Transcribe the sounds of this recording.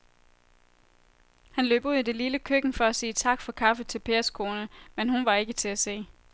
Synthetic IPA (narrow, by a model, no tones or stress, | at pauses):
hænløːb̥uðˠd̥eliləkʰøɡ̥n̩fɒ̽æsiːt͡sʰɑ̈ɡ̥fɒ̽kʰɑ̈fət͡sʰe̝lpʰe̝ːɐskʰo̝ːnəmenhunʋɑ̈e̝ɡ̥ət͡sʰe̝æse̝̰ː